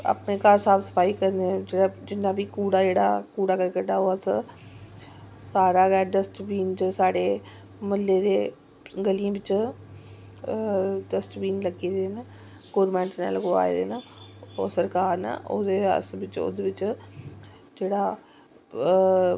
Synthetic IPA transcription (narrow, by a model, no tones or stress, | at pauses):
ə̰pneːkaːɾsaːpʰsə̥pʰaːiːkəɾned͡ʒeɽaːd͡ʒɪnːaːbiːkuːɽaːd͡ʒeːɽa̰ːkuːɽaːkəɾkəʈaːoːəs | saːɾaːɡɛːɖəsʈʋiːnd͡ʒəsaːɽeː | məlːeːd̪eː | ɡəliãːʋɪt͡ʃ | ɖəsʈʋiːnləɡeːd̪eːnə | ɡoːɾmɛ̃ːɳʈna̰ːlɡoa̰ːḛd̪ḛːnəoːsəɾkaːɾna̰ʔo̰d̪eːə̰sʋɪt͡ʃo̰ːd̪eːʋɪt͡ʃ | d͡ʒeːɽaː